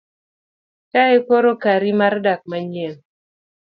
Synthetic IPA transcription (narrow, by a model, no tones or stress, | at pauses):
kaekoɾokaɾimardak̚maɲɛŋ